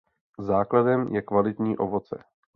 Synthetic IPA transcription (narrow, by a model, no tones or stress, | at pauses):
zaːkladɛmjɛkvalɪt̪ɲiːʔo̞vo̞t͡sɛ̰